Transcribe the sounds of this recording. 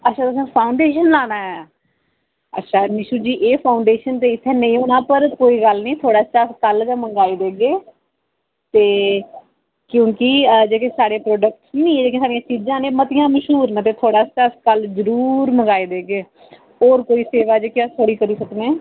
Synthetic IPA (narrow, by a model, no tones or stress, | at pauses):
ətːʃʰaːt̪ʊs̬ãːpʰaːʊɳɖeːʃənlaːnaːɛː | ə̰tːʃʰaːnɪʃuːd͡ʒiːʔeːpʰaːʊɳɖeːʃənt̪eːɪt̪ʰːeːnəĩːoːnaːpəɾkoːiːɡəlnĩːt̪ʰoːɽaːt͡ʃaskəld͡ʒ̪ãːməɡaːiːd̪eːɡeː | t̪eː | kjõːkɪd͡ʒeːkẽːsaːɽeːpɾoːɖək̚ʈsnĩːed͡ʒeːkẽːsaːɽɪĩjãːt͡ʃid͡ʒãːnẽːmət̪ɪjãːməʃɦuːɾnə̃t̪̬eːt̪ʰoːɽaːt͡ʃaskəlzəɾuːɾməŋɡaːiːd̪eːɡeː | oːɾkoːiːseːʋaːd͡ʒeːkɪəsʰoɽiːkəɾiːsəknẽː